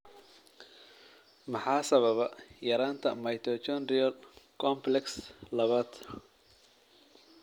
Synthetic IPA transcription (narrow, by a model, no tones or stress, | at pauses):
mɑħɑːsɐβɐβɐjɐɾaːnt̪ʰɐmɐjt̪ʰɔt͡ʃɔnrɪjɐlkʰɔmplɛkslɐβaːd̪